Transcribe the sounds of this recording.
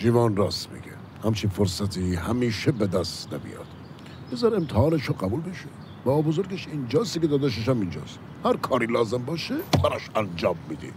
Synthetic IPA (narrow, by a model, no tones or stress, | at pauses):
ʒiːvɒːnrɒːst̪mḭɡe | hæmt͡ʃʰinfoɾsæt̪ʰihæmiːʃebed̪æst̪næ̰bḭjɒ̰ːd̪̥ | bezɑɾemt̪ʰɛhɑːneʃɔɡæbuːlbeʃe | b̥ɒːbo̞zoɾɡeʃind͡ʒɒːst̪ikʲeɒːd̪æʃ̬eʃ̬æmind͡ʒɒ̰ːst̪ | hæɾkʰɒːɾiːlɒːzembɒːʃebæɾɒʃænd͡ʒɒːmːiːd̪ḭ